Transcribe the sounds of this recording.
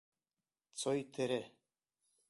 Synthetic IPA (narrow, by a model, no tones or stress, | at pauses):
t͡sojt̪ʰɘ̆ɾɘ